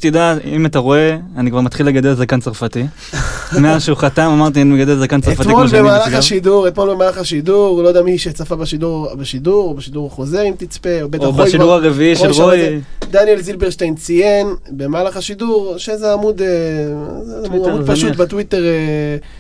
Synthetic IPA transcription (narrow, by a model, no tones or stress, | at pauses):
t̪id̪aimat̪aʁo̞eanikvaʁmat̪χileɡad̪elzakant͡saʁfat̪i | meaʃeuχat̪amamaʁt̪̬ianimeɡad̪elzakant͡saʁetfat̪miomolbemaːlaχaʃiduʁet̪mo̞lbemaːlaχaʃid̪uʁlojdeamiʃet͡safabaʃiduʁbeʃid̪uʁobeʃid̪uʁaχo̞ze̞ʁimt̪it͡speobeaχʃiduʁaʁeviiʃelʁoid̪anjelzilbeʁʃtejnt͡sijenbemaːlaχaʃiduʁʃezeamud̪e | amudpaʃutbet̪wit̪e̞ʁe